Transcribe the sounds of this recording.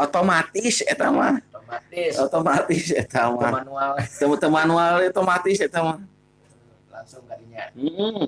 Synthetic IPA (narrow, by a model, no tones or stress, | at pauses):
ot̪omat̪ɪset̪ama̰haot̪omat̪ɪset̪amanat̪t̪əmanualeot̪omat̪ɪset̪ama | laŋsʊŋɲam̩